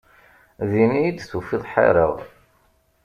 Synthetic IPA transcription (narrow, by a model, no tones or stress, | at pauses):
ðiniid̪θufiðˤħa̰ɾəʁ